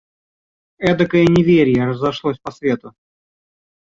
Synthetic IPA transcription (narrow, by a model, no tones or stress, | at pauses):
ɛd̪əkəɪnʲɪvʲeɾʲjəɾəzɐʂlˠosʲpɐsvʲe̞t̪ʊ